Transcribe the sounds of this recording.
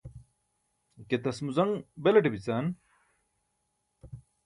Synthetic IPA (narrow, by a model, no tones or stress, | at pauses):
ket̪ɐsmuzɐŋbelɐʈibit͡saːn